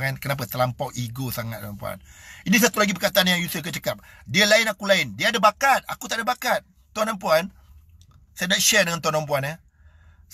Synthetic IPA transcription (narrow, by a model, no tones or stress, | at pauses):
ankənap̬at̪əlampawʔiɡosaŋat̪̚dampua̰ninis̬at̪ulaɡipərkat̪aanjaŋjusək̬ət͡ʃəkap̚ | diəlaɪnakulaɪndiəːdabakat̪̚a̰kut̪aʔdabakat̪̚ | t̪uanampuan | sanaʔʃɛdəŋant̪wanamp̬uanə